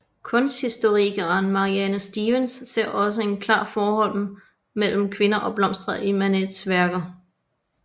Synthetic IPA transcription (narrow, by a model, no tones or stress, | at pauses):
kʰɔ̽nsdhisd̥o̝ʁiɡ̥ɐnmɑ̈ʁiɛnəsd̥iːʋənsːe̝ɐ̰ʔɒ̽səe̝nkʰlɑ̰̈ːfɒːhɒ̽l̰m | mel̰m̩kʰʋe̝nɐʔɒ̽b̥lɒ̽m̰sd̥ʁɐʔimæned̥sʋæɐɡ̥ɐ